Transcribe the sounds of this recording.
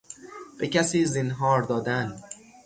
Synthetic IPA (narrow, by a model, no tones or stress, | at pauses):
b̥ecʰæsiːzinɦɒːɾd̪ɒːd̪æn